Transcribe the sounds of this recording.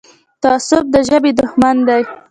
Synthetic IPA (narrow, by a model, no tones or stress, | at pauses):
t̪asʊb̚d̪əʒəbed̪ʊxmand̪aj